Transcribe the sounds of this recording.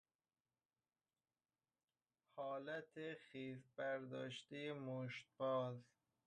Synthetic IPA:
hɒːlæt̪ʰeχiːzbæɾd̪ɒ̰ːʃt̪ejemoʃt̪̚bɒːz

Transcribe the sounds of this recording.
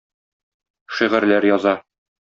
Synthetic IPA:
ʃiʁɘ̆ɾlæɾjɒzɑ

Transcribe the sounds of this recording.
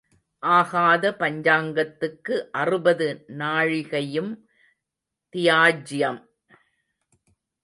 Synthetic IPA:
ʔaːɣaːðɐpɐɲd͡ʒaːŋɡɐt̪ːɯkːɯʔɐrɯbɐðɯnaːɻɪɣɐjɯm | t̪ɪjaːd͡ʒɪjɐm

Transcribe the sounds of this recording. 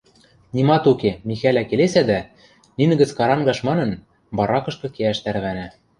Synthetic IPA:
nʲimɑt̪ukemixælʲækelesæd̪æ | ninɘ̆ɡɘ̆t͡skɑɾɑŋɡɑʃmɑnɤ̆n | bɑɾɑkɤ̆ʃkɤ̆keæʃt̪æɾβænæ

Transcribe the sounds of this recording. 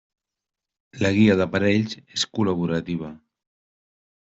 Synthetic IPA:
laɣiaðapaɾɛʎzeskulaβ̞uɾat̪iβ̞a

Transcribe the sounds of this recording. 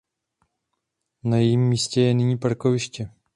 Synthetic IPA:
najɛjimːiːscɛjɛnɪɲiːpaɾkovɪʃcɛ

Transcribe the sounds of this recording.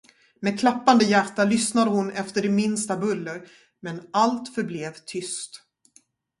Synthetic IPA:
meːd̪̚kʰlapːand̪əjæʈːalʏsnad̪əhʊnɛft̪əɖɛmɪnst̪abɵlːəɾ | mɛnalt̪fœɾbleːvt̪ʰʏst̪

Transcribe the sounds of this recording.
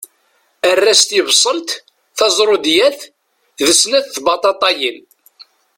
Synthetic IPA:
ərːæst̪jəbsˤənt̪ | θɑzˤɾˤod̪jæθ | ðəsnæθθbɑt̪ˤɑt̪ˤɑjin

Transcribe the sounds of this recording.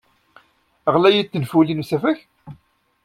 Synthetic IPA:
əʁlæjit͡s̪ːənfulinusæfæç

